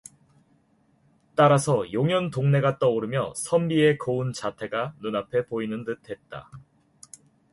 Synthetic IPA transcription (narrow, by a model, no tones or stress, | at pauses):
t͈aɾasʰʌjoŋjʌntoŋne̞ɡat͈ʌoɾɯmjʌ̰sʰʌmbie̞kʌunt͡ɕatʰe̞ɡanunapʰe̞poinɯntɯtʰe̞t̚t͈a̰